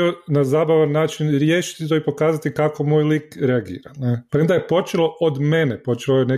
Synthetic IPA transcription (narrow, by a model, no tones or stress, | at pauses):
onazaːbaʋanːaːt͡ʃinɾjeːʃi̥t̪it̪oipo̞kaːzat̪ikako̞moːjlikɾeaɡḭːɾanepɾend̪ajepo̞t͡ʃelˠo̞ʔod̪menepo̞t͡ʃelojene